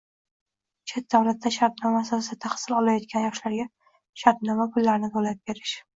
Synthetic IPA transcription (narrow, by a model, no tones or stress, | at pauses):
t͡ʃʰet̪̚d̪awlat̪ːaʃaɾt̪nɒmasaɪd̪ɪt̪ʰaχsɪlɒlajɒt̪̚kʲanjɒʃlaɾɡʲa | ʃaɾt̪nɒmakʰʊlːaɾnɪt̪ʰolap̚be̞ɾɪʃ